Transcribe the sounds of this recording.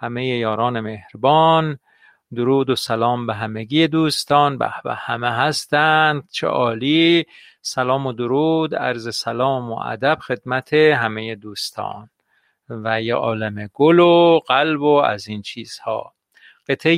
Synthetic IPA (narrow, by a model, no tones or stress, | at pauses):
hæmejejɒːɾɒːnemehɾbɒːn | d̪oɾuːd̪osælɒːmbeɦæmeɡijed̪uːst̪ɒːnbæ̰hvæ̰hæmeɦæst̪ænd̪̥̚t͡ʃʰḛʔɒːliː | sælɒːmod̪oɾuːd̪æ̰ɾzesælɒːmo̰ʔæ̰d̪æb̥xe̞d̪mæt̪ʰeɦæmejed̪uːst̪ʰɒ̰ːn | væjeʔɒːlemeɡ̥oloɣ̥ælboæ̰ziːnt͡ʃʰiːz̥hɒ̰ː | ɢ̥e̞t̪ʰe